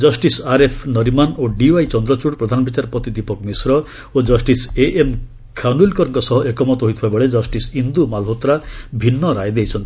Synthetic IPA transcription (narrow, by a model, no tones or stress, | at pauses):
d͡ʒɔsʈisaɾepʰnɔɾimanoɖiwajt͡ʃɔnd̪ɾɔt͡ʃuʈpɾɔd̪ʱanɔbit͡ʃaɾpɔt̪id̪ipɔkmisɾɔ | od͡ʒɔsʈiseʔem | kʰanulkɔɾɔŋkɔsɔɦɔʔekɔmɔt̪ɔɦoijt̪ʰibabɔɭed͡ʒɔsʈisind̪umalɦot̪ɾabʱinːɔɾajd̪ejt͡ʃʰɔnt̪i